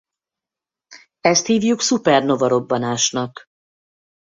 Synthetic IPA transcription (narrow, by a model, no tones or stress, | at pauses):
ɛst̪hiːvjuksupɛrno̞vɒɾo̞bːɒnaːʃnɒk